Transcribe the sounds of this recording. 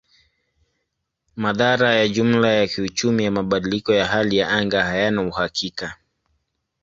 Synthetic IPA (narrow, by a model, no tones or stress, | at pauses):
maðaɾajaʄum̩lajakiut͡ʃumijamaɓaɗilikɔjaɦalijaaŋɡahajanauhakʰika